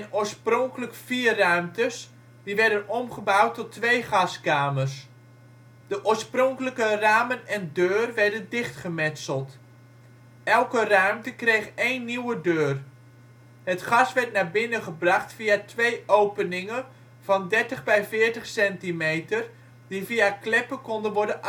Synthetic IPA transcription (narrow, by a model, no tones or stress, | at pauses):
ɛnʊːɹsprɔŋkələkfiːrœɥmtəs | diʋɛɹdənɔmχəbawtːɔtːʋejχɑskaːmərs | dəʔʊːɹsprɔŋkələkəraːmənɛndøːrʋɛɹdəndɪχtχəmɛtsəlˠt | ɛlˠkərœɥmtəkrejχejnːiwədøːr | ɦətχɑsʋɛɹtnaːbɪnəχəbrɑχtfiatʋejʔowpənɪŋə | v̥ɑndɛɹtəχbɛjvɪːɹtəχsɛntimejtər | d̥iviaklɪpəkɔndənʋɔɹdən